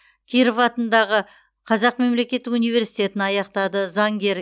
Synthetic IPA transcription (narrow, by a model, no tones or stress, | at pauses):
kʲʰiɾəvɑt̪ənd̪ɑʁə | qʰɑzɑqme̞mle̞kʲe̞t̪ːɪunijve̞ɾsi̥jt̪ʲe̞t̪ɪnɑjɑqt̪ɑd̪əzɑŋɡʲe̞ɾ